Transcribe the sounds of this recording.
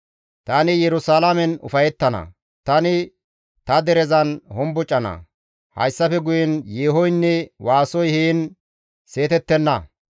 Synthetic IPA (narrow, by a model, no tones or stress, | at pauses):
t̪aːnɪjɛɾʊsaːlamɛnʊ̰fɐjɛt̪ːɐnɐ̰ | t̪ɐnɪ | t̪ɐd̪ɛɾɛzɐnhɔmbʊt͡ʃʼːɐnɐ̰ | hɐ̰jsːɐfɛɡʊjɛnjeːɦɔjnːɛwaːsɔjhiːn | se̞ːt̪ɛt̪ːɛnːɐ